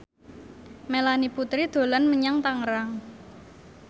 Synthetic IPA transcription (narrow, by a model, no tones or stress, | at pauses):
melaniput̪ɾid̪̥o̤lənməɲaŋt̪aŋəɾaŋ